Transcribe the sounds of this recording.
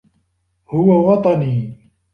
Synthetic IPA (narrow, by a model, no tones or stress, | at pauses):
hʊwawɑt̪ˤɑniː